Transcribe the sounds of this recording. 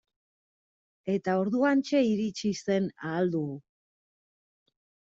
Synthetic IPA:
e̞t̪ao̞ɾðuant͡ʃe̞iɾit͡ʃise̞naːld̪uɣu

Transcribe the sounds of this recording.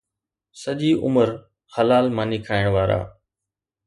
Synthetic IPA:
səʄiːʔʊ̰məɾ | xəlaːlmaːniːkʰaːɪɽ̃ʋaːɾa̰ː

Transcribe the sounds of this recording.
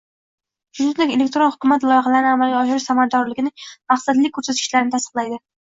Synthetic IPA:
ʃʊzɪnd̪ekʲele̞k̚ʲt̪ɾonhʊkʰʲʊmat̪lˠɒjχɑlaɾɪnɪamalɡʲaɒʃɪɾɪʃsamaad̪ɒɾlɪɡʲɪnɪŋmaχsad̪lɪkʲʰːɵɾsat̪kʲɪ̥ʃlaɾɪnɪt̪ʰast̪ɨqlajd̪ɪ

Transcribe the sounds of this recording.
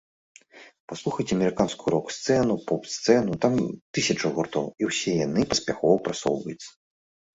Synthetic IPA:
paslˠuxɐjt͡sʲɛɐmʲɛɾɨkanskuɾɔkst̪sɛnupɔpst̪sɛnut̪amt̪ɨsʲɐt͡ʂɐɣurt̪ɔwiwsʲɛjanɨpɐsʲpʲaxɔvɐpɾat̪sɔwvɐjut̪sɐ̥

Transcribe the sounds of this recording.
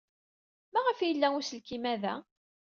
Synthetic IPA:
mæʁəfjəlːæuslkimæðæ

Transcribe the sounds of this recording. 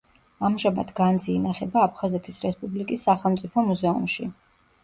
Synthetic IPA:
amʒama̰d̪ɡanziːnaχɛbaːpʰχazɛt̪ʰisɾɛspʼublikʼisːaχɛlˠmt̪sʼipʰɔmuzɛṵmʃi

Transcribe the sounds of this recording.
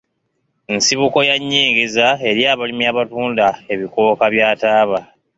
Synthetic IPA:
nsiβuko̞jaɲːiːŋɡezae̞ɾiaːβalimiaːβatuːndae̞βiko̞ːkaβjaːtaːβa

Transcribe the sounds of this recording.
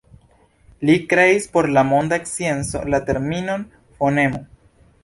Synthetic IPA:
likɾe̞ispo̞ɾlamo̞ndaeksie̞nso̞̰late̞ɾmino̞n | fo̞ne̞mo̞

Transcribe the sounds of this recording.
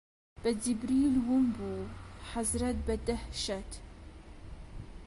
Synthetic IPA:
b̥ɐd̪ibɾiːlwumbuħazɾɐt̪̚bɐd̪ɐhʃɐt̪

